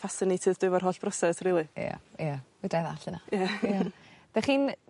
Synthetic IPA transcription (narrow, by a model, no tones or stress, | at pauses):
fasɪnɪtʰɨðd̥ʊvarɦoːɬb̥rɔsɛsriːlˠija̰jawədaðaɬəna̰ja | d̥aχiːn